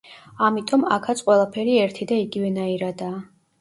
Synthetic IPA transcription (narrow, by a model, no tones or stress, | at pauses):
amit̪ʼɔma̰kʰat̪sʰʼqʼwɛlˠapʰɛɾiɛɾt̪ʰid̪aiɡivɛnaiɾad̪aː